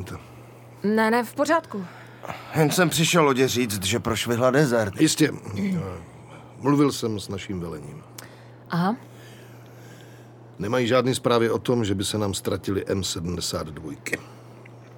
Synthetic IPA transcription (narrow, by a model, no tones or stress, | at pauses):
t̪ɛ | nɛnɛfpor̝aːt̪ku | jɛnsɛmpr̥ɪʃɛloɟɛriːt͡st̪ʒɛpɾoʃvɪɦladɛzɛɾt̪jɪscɛ | mluvɪlsɛmsnaʃiːmvɛlɛɲḭːm | ʔaɦa | nɛmajiʒaːdniːspɾaːvɪot̪o̞mʒɛbɪsɛnaːmst̪ɾacɪlɪʔɛmsɛdm̩dɛsaːd̪dvojkɪ